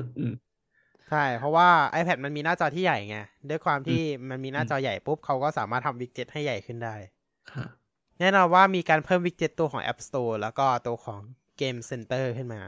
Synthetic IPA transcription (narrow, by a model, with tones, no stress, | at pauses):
t͡ɕʰa˥˩jpʰɾɔ˦˥waː˥˩ʔa˧jpʰɛ˨˩t̪̚ma˧nmiː˧naː˥˩t͡ɕɔː˧t̪ʰiː˥˩ja˨˩jŋɛ˧˩du˥˩əjkʰwaː˧mt̪ʰiː˥˩ma˧nmiː˧naː˥˩t͡ɕɔː˧ja˨˩jpu˦˥p̚kʰa˦˥wkɔː˥˩saː˩˦maː˥˩t̪ʰa˧mwi˦˥k̚t͡ɕi˦˥t̪̚ha˥˩jːa˨˩jkʰɯ˥˩ndaː˥˩j | kʰa˦˥˩ | nɛː˥˩nɔː˧nwaː˥˩miː˧kaː˧npʰɤː˥˩mwi˦˥k̚t͡ɕi˦˥t̪ːu˧əkʰɔː˩˦ŋʔɛ̰˦˥p̚st̪oː˧lɛː˦˥wkɔː˥˩t̪u˧ɐkʰɔː˩˦ŋ | keː˧mse˧nt̪ɤː˥˩kʰɯ˥˩nmaː˧